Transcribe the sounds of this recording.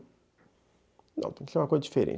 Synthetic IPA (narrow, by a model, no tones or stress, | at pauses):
nɐ̃t̪ẽkiseɾũmɐkojzɐd͡ʒi̥feɾḛ̃